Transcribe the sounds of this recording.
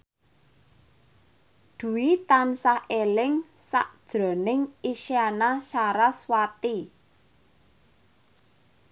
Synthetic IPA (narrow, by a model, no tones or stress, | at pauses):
d̪̥ṳwit̪ansahelɪŋ | sa̰ʔd̥ʒ̥ɾɔ̤nɪŋiʃianaʃaɾaswat̪i